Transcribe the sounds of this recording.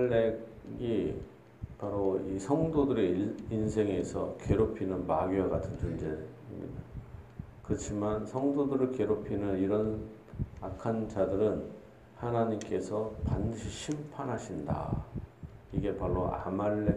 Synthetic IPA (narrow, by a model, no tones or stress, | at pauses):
eɡi | paɾoisʰʌŋdodɯɾeinsʰe̞ŋe̞sʰʌke̞ɾopʰinɯnmaɡiaɡatʰɯnt͡ɕond͡ʑeimɲḭda | kɯɾʌt͡ɕʰimansʰʌŋdodɯɾɯɭke̞ɾopʰinɯniɾʌn | akʰand͡ʑadɯɾɯn | hanaɲimk͈e̞sʰʌpandɯɕʰiɕʰimpʰanɦaɕʰinda̰ | iɡe̞paɾːoa̰maɭːe